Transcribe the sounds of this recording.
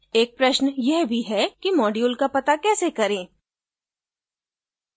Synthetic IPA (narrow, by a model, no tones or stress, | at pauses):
eːk̚pɾɐʃnjɛɦbʱiɦɛkimɔːɖjuːlkapɐt̪akɛːsekɐɾẽː